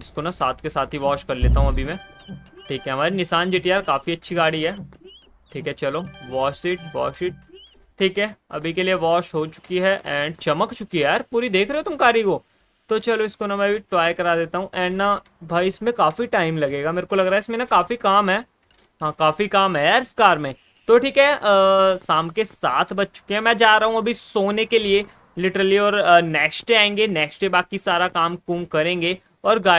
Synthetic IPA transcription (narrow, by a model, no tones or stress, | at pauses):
ɪskonasaːt̪ʰkesaːt̪ɦiʋɔːʃkɐɾleːt̪aɦũɐbʱimɛ̃ːʈʰiːkɦɛɦɐmaːɾinɪsaːnd͡ʒeːʈijaːɾkaːfiɐtːʃʰiɡaːɽiɦɛː | ʈʰiːkɦɛt͡ʃɐloːʋɔːʃsiːʈ̚ʰʋɔ̰ːʃiːʈ̚ | ʈʰːiːkɦɛɐ̰bʱikelieʋɔːʃɦot͡ʃʊ̥kiɦɛʔɛ̃ːɖt͡ʃɐməkt͡ʃʊkiɦɛjaːɾpuːɾid̪eːkʰɾeɦot̪ʊmkaːɾikoː | t̪ot͡ʃɐloɪskonamɛ̃ːbʱiʈɾaːɪkɐɾaːd̪eːt̪aɦũʔɛːna | bʱaːiɪsmẽkaːfiʈaːɪmlɐɡeːɡameːɾkolɐɡɾaːɦɛɪsmẽnakaːfikaːmɦɛː | ɦãːkaːfikaːmɦɛjaːɾɪskaːɾmẽ | t̪oʈʰiːkɦɛ | saːmkesaːt̪ʰbɐt̪̚ʰt͡ʃʊ̥keɦɛmɛ̃ːd͡ʒaːɾɐɦũɐbʱisoːnekelie | lɪʈəɾəliɔːɾnɛːksʈeãːẽːŋɡenɛːksʈebaːkisaːɾakaːmkuːmkɐɾẽːŋɡe | ɔːɾɡaː